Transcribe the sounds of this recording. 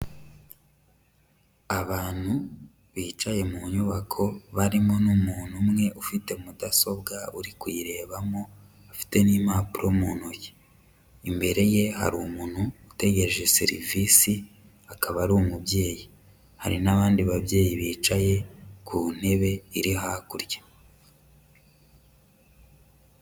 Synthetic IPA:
aβaːn̥hu | βiːt͡ʃaje̞muɲuβakʰo̞βaɾimo̞numuːn̥humŋe̞ʔufite̞mudaso̞bɡauɾikwiɾe̞ːβamo̞ | afi̥te̞niːmaːpuɾomuːn̥uje | imbe̞ɾe̞je̞ha̰ɾumuːn̥huːte̞ɡe̞ɾeʒe̞sḭɾḭvisi | akaβaɾumubje̞ːji | ha̰ɾinaβaːndiβabje̞ːjiβiːt͡ʃaje̞kʰuːn̥e̞βe̞iɾiɦakuɾjḁ

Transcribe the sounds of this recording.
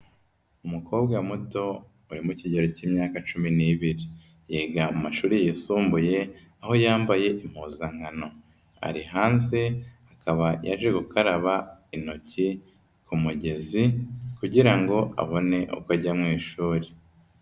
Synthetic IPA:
umukʰo̞ːb̚ɡamuto̞ | uɾimuciɟeɾo̞ciːmɲaːkat͡ʃuminiːβiɾi | jeːɡaumaʃuːɾijesuːmbuje̞ | aho̞jaːmbaje̞ʔim̥huːzaŋ̥ano̞ | a̰ɾiɦaːnzeakaβaja̰ʒeɡukʰaɾaβaino̞ci | kumuɟe̞zikuɟiɾaŋɡo̞a̰βo̞ne̞ʔo̰kwaɟamŋiːʃuːɾe

